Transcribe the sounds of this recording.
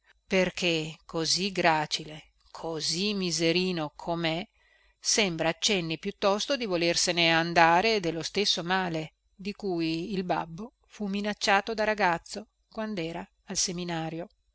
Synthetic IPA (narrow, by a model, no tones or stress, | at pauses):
perkʰekʰːoziɡɾaːt͡ʃile | kʰozimːizeɾiːnokʰomɛ | sɛmbɾaːt͡ʃːɛnːepjut̪ːɔst̪od̪ivolerseneand̪aːɾed̪elːost̪esːomaːle | d̪ikujːlba̰bːo | fumːinat͡ʃːaːt̪od̪aɾaɡat̪sːo | kwand̪ɛːɾaː | lseminaːɾjo